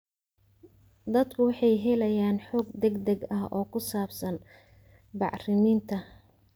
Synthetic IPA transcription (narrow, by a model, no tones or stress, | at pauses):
d̪ɐd̪kʰʊwɑħɑjɦɛlɐjaːnħɔːɡd̪ɛɡd̪ɛɡɐɦɔːkʰʊsaːbsɐn | bɑ̰ʕrɪmiːnt̪ʰɐ